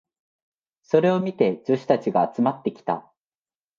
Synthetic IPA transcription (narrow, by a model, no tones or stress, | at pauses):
so̞ɾe̞o̞mʲit̪e̞d͡ʑɨɕi̥t̪at͡ɕiɡaːt͡sɨmat̪ːe̞kʲi̥t̪a̰